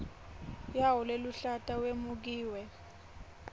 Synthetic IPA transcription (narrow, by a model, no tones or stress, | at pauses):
jaɦɔleluɬatʼawemuk̬iːwɛ